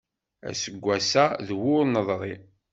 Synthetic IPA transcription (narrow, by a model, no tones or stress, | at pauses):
æ̰səɡʷːæsæðwʊɾnəðˤɾˤi